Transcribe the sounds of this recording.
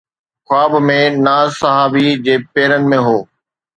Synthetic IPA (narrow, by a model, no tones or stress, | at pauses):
xwaːbmẽnaːsɐɦaːbid͡ʑeːpeːɾənɪ̆mẽɦoː